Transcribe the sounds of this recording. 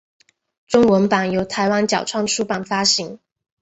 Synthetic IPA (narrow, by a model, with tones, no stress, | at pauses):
ʈ͡ʂʊ˥ŋwə˧˦˥npa˨˩njo˧˥ʊt̪ʰa˧˥ɪwa˥nt͡ɕjɑ˨˩ʊʈ͡ʂʰwɑ˥˩ŋʈ͡ʂʰu˥pa˨˩nfa˥ɕi˧˥˦ŋ